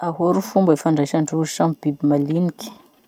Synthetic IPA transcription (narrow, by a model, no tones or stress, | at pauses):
aɦoɾufumbəifaɳɖ͡ʐaʃaɳɖ͡ʐuiʈ͡ʂamib̥ibimalinikʲi̥